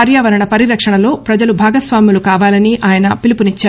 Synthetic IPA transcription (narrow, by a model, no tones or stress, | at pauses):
ɾjaːʋɐɾɐɳɐpɐɾiɾɐkʂɐɳɐlo̞ːpɾɐd͡ʒɐlubʱaːɡɐsʋaːmjulukaːʋaːlɐniʔaːjɐnɐpilipunit͡ʃːaː